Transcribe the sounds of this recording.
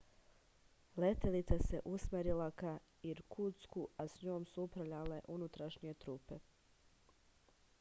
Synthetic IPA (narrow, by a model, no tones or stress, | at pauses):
let̪elit̪sasḛʔusmeɾilaka | iɾkʰuskuasɲoːmsuupɾavʎale̞ʔunut̪ɾaʃɲie̞t̪ɾuːpe̞